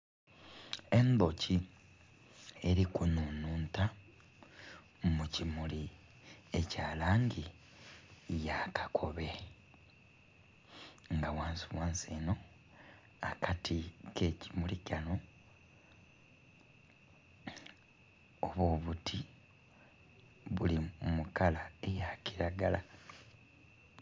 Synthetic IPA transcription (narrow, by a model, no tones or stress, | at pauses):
e̞nboci | e̞ɾikunuːnuːnta | mucimuli | e̞caːlaːŋɡi | jakʰḁkʰo̞βe̞ | ŋɡawaːnsiwaːnseːno̞ | akʰatʰike̞cimulicano | oβoːβutʰi | βulimukalae̞jaciɾaɡala